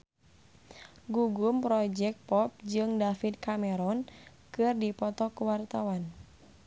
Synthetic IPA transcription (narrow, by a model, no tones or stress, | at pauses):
ɡuɡumpɾɔd͡ʒɛk̪̚pɔp̚d͡ʒɨŋdafit̪̚kamɛɾɔn | kɨrdipɔt̪ɔkuwart̪awan